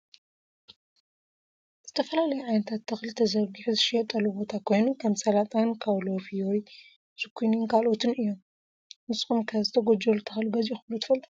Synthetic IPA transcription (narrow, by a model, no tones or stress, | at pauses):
z̥ɨt̪ʰɐfɐlalɐjuʕajnɐt̪ʰat̪ːɨxlit̪ʰɐzɐɾɡɨħuzɨʃjɛt̪ʼːɐlubo̞t̪ʰakʰo̞jnukʰɐmsɐlat̪ʼankʰaβlofijoj | sɨkʰuninkʰalo̞t̪ʰɨnɨjːom | mɨsʼxumkʰɐzɨt̪ʰɐɡod͡ʒolt̪ʰɐxluɡɐzjixɨβlut̪ʰɨ̥fɐlt̪ʼu